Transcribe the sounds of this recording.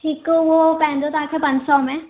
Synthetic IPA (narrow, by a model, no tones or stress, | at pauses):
ʈʰiːkoʋopɛ̃ɦnd͡ʒot̪aːkʰepɐ̃nd͡ʒsɔmẽ